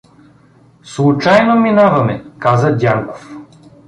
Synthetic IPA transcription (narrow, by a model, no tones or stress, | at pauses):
slˠut͡ʃajnominavɐmɛkazəd̪ʲaŋkof